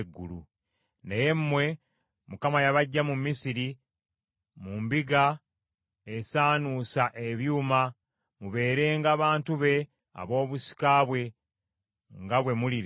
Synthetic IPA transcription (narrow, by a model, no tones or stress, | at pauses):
ɡːulṵ | neje̞mmwe̞ | mukamajaβaɟːamumːisiɾi | mumbiɡa | esaːnuːsaʔe̞βjuːma | muβe̞ːɾe̞ːŋɡaːβaːntuβe̞ | a̰βo̞ːβusi̥kaβwe̞ | ŋɡaβwe̞muliɾ